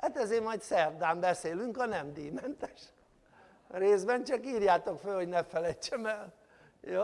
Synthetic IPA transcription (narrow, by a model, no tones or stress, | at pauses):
hat̪ɛzeːmɒjt̪sɛrd̪aːmbɛseːlyŋkɒnɛmd̪iːmɛnt̪ɛ̥ʃ | reːzbɛnt͡ʃɒkiːrjaːt̪okfølho̞ɟnɛfɛlɛjt͡ʃːɛmɛl | joː